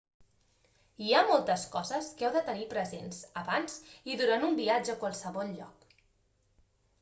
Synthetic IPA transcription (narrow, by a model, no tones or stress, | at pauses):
iamɔlˠt̪əskɔzəskɛwðət̪ənipɾəzḛnzəβanziðuɾanumbiad͡ʒəːkwalˠsəβɔlˠʎɔ̰k